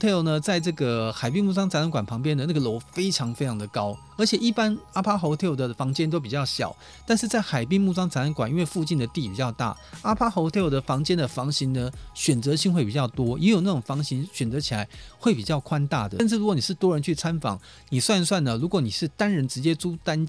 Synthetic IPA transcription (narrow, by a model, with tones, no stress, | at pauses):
t̪ʰe˥˩o˨˩ʊnə˩t͡sa˥˧ɪʈ͡ʂɤ˥˩ɡə˩xa˨˩ɪpi˥˧ŋmu˥˩ʈ͡ʂɑ˥ŋt͡sa˧˥n˧˥nkwa˨˩npʰɑ˧˥ŋp̬jɛ˥nd̪ə˨˦na˥˩ɡə˨lo˧˥ʊfe˥ɪʈ͡ʂʰɑ˧˥ŋfe˥ɪɑ˧ŋd̪ə˨kɑ˥ʊ | ə˧˥t͡ɕʰjɛ˨˩ʔi˥˩pa˥na˥pʰa˥xo˧˥ʊt̪ʰe˥˩o˨˩d̪ə˩fɑ˧˥ŋt͡ɕjɛ˥nt̪̬o˥ʊp̬i˨˩t͡ɕjɑ˥˩ʊɕjɑ̰˨˩ʊ | t̪a˥˧nʂɻ̩˥˧t͡sa˥˩ɪxa˨˩ɪp̬i˥˧ŋmu˥˩ʈ͡ʂɑ˥ŋt͡sa˧˥nə˧˥nkwa˨˩ni˥nwe˥˧fu˥˧t͡ɕi˥˩nd̪ə˩t̪i˥˩pi˨˩t͡ɕjɑ˥˧ʊt̪a̰˥˩a˥pʰa˥xo˧˥ʊt̪ʰe˥˧o˧˩d̪ə˩fɑ˧˥ŋt͡ɕjɛ˥nd̪ə˨fɑ˧˥ŋɕi˧˥ŋd̪ə˧ɕɥɛ˨˩nt͡sɤ˧˥ɕi˥˧ŋxwe˥˩ɪpi˨˩t͡ɕjɑ˥˩ʊt̪wɔ˥jʔjo˨˩na˥˩ʈ͡ʂʊ˨˩ŋfɑ˧˥ŋɕi˧˥ŋɕɥɛ˨˩nt͡sɤ˧˥t͡ɕʰi˨˩la˧˦ɪxwe˥˩ɪpi˨˩t͡ɕjɑ˥˩ʊkʰwa˥nt̪a̰˥˩d̪ə˩˥˧ʂɻ̩˥˩ɻu˧˥kwɔ˧˦ni˨˩ʂɻ̩˥˩t̪wɔ˥ɻə˧nt͡ɕʰy˥˩t͡sʰa˥nfɑ̰˨˥˦ŋ | ni˨˩swa˥˧nswa˥˩nə˩ɻu˧˥kwɔ˧˥ni˨˩ʂɻ̩˥˩t̪a˥nɻə˧˥nʈ͡ʂɻ̩˧˥t͡ɕjɛ˥t͡su˥t̪a˥n